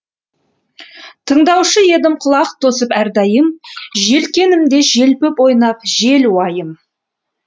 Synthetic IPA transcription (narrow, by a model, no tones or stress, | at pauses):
t̪ʰəɴd̪ɑwʃəje̞d̪ɪmqʰʊlˠɑqt̪ʰosəpæɾd̪ɑjəmʒe̞lkʲe̞nɪmd̪e̞ʒe̞lpɪpo̞jnɑp̚ʒe̞lwɑjəm